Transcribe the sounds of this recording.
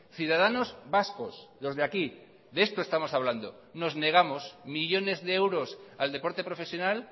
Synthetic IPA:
θjuðað̞ano̞zbasko̞slo̞zðeaki | ðee̞st̪oest̪amo̞saβland̪o̞̰ | no̞zne̞ɣ̞amosmiʎo̞ne̞zðe̞ewɾo̞sald̪e̞po̞ɾt̪e̞pɾo̞fe̞sjo̞nal

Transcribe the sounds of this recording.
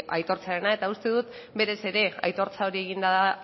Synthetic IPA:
ajt̪o̞ɾt͡saɾenae̞t̪aust̪e̞ðut̪ | be̞ɾe̞se̞ɾe̞a̰jt̪o̞ɾt͡sao̞ɾie̞ɣind̪aða

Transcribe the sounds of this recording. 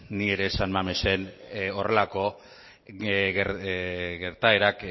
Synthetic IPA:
nie̞ɾe̞sanmamese̞nore̞lako̞ | ɣɾɣe̞ɾt̪aeɾak

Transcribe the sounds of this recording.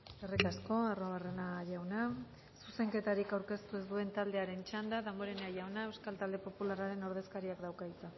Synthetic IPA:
erikasko̞aroβare̞naʝawna | suse̞ŋke̞t̪aɾikawɾke̞st̪ue̞zd̪ue̞nt̪ald̪e̞aɾe̞nt͡ʃand̪aðamoɾeneajawnae̞wskalt̪ald̪e̞po̞pulaɾaɾe̞no̞ɾðe̞skaɾiakd̪awkait͡sa

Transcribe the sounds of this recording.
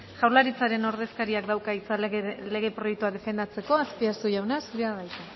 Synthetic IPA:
ʝawɾlaɾit͡saɾe̞no̞ɾðe̞skaɾiak̚d̪awkait͡sale̞ɣe̞pɾo̞jek̚t̪uaðe̞fe̞nd̪at͡se̞ko̞aspiaɾuʝawnasuɾeaðajt̪a

